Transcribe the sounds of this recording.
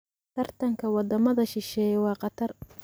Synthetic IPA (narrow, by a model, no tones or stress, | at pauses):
t̪ʰɐrt̪ʰɐŋkʰɐwɑd̪ɐmɐðɐʃɪʃɛːjwɑːqɑt̪ʰɐr